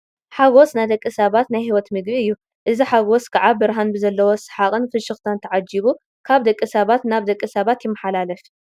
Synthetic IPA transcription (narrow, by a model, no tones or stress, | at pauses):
ħaɡosnajd̪ɐkʼːɨsɐβat̪najhiwɔt̪mɨɡbiɨjːu | ʔɨziħaɡoskʰaʕabɨɾɦanbɨzɐlːɐwosɨ̥ħakʼɨnfɨʃɨxt̪ʰant̪ʰɐʕad͡ʒiβu | kʰaβd̪ɐkʼːɨsɐβat̪naβd̪ɐkʼːɨsɐβat̪jɪmːɐħalalɐf